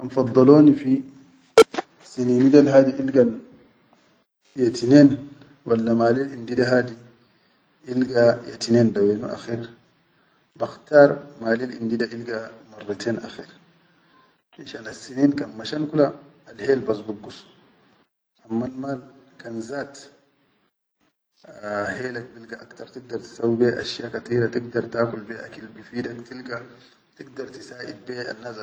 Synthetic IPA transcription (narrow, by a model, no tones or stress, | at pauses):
ʔamfɑd̪ˤːɑloːnifi | sininidalhaːdiʔilɡal | jatinen | walːamaːlilindidaɦadi | ʔilɡajatinendawenuʔa̰xiɾ | baxtaɾmaːlilḭndidaʔilɡamarːitʰeːna̰xiɾ | ʔiʃanasːiniːnkanmaʃankulaːlheːlbas̬buɡːus | ʔamːalmaːlkanzaːt̪ | heːlak̚bilɡaʔakt̪ɑɾˤt̪iɡ̚d̪ɑɾˤt̪i̥sawːibeʔa̰ʃjaːkat̪iːɾat̪iɡd̪ɑɾˤt̪aːkulbeʔakilbifiːdakt̪ilɡa | t̪iɡd̪ɑɾˤt̪isaːʔid̚beːa̰nːaːs